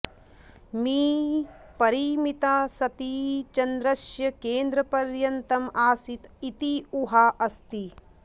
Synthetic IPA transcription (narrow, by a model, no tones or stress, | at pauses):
miː | pɐɾimit̪aːsɐt̪iːt͡ʃɐnd̪ɾɐʃjɐkeːnd̪ɾɐpɐɾjɐnt̪ɐmaːsit̪it̪iuɦaːʔɐst̪i